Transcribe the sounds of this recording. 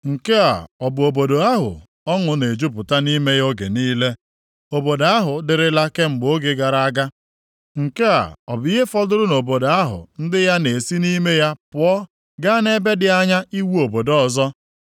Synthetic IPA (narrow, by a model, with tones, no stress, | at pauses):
ŋ̩˨ke˦a̰˨ɔ˨bʊ˨o˨bo˨do˨a˦ɦʊ̰˨ | ɔ˦ŋʊ˨ne˨d͡ʒu˦pʊ˨ta˦ni˦me˦jo˦ɡḛ˨niː˦le˦ | o˨bo˨da˦ɦʊ˨dɪ˨ɾɪ˦la˦ke˦ŋ͡m̩˨ɡ͡bo˦ɡe˨ɡa˨ɾa˦a˦ɡa˦ | ŋ̩˨ke˦a̰˨ɔ˨bʊ˨i˦ɦe˦fɔ˦dʊ˦ɾʊ˦no˨bo˨do˨a˦ɦʊ̰˨n̩˦dɪ˦ja˦ne˨si˦ni˦me˦ja˦pʊ˨ɔ˦ | ɡa˦ne˦be˦dɪ˨a˦ɲa˦ʔi˦wu˦o˨bo˨dɔ˦ɔ˨zɔ˦